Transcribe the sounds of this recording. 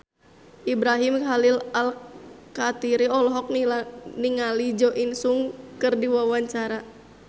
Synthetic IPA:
ʔibɾaɦimkalilalkat̪iɾiɔlɔɦɔk̚niŋalid͡ʒɔʔinsuŋkɨrdiwawaɲt͡ʃaɾa

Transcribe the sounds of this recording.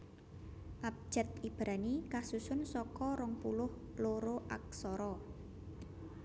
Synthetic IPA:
ʔap̚d͡ʒ̥ɛ̤t̪̚ib̥ɾanikasusʊnsɔkɔɾɔŋpulʊh | loɾoʔa̰k̚sɔɾɔ

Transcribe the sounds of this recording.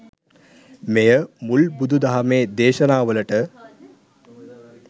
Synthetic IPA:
mejəmulbud̪ʱud̪aɦameːd̪eːʃɐnaːʋələʈə

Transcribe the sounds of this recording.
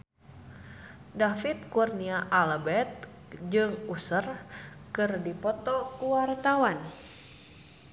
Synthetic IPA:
dafit̪̚kurniaʔalbɛt̪̚ | d͡ʒɨŋusər | kɨrdipɔt̪ɔkuwart̪awan

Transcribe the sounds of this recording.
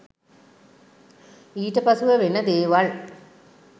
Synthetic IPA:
iːʈːɐpɐsuʋɐʋenːɐd̪eːʋɐɭ

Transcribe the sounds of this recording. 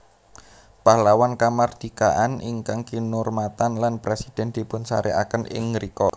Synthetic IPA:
pahlawankamard̪̥i̤kaʔaniŋkaŋkinʊrmat̪anlanpɾesid̪̥ɛ̤nd̪̥i̤pʊnsaɾea̰kənʔɪ̰ŋɾikɔ

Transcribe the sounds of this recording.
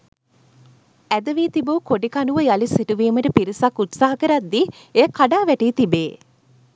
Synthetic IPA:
æd̪əʋiːt̪ibukoɖikanuʋəjalisiʈuʋiːməʈəpiɾisakːut̪saɦɐkəɾat̪ːi | ekaɖaːʋæʈiːt̪ibeː

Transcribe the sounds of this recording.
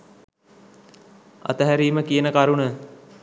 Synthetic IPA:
a̰t̪əɦæɾiːməkijənəkaɾunə

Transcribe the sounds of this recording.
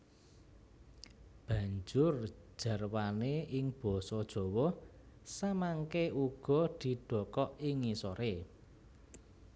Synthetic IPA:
b̥ä̤ɲd͡ʒʊr̥ʒ̥ä̤rwaneʔɪŋb̥ɔ̤sɔd̥ʒ̥ɔ̤wɔ | samaŋkeuɡ̥ɔ̤d̪̥i̤ɖ̪̥ɔ̤kɔʔiŋisɔɾe

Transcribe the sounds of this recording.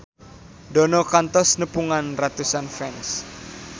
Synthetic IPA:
dɔ̤nɔkant̪ɔsnəpuŋanrat̪usanfɛns

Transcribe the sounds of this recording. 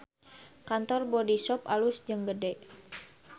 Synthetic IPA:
kant̪ɔrbɔdisɔpalusd͡ʒɨŋɡədɛʔ

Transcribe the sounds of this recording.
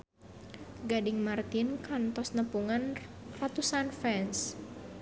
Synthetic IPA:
ɡadɪŋmart̪ɪnkant̪ɔsnəpuŋan | rat̪usanfɛns

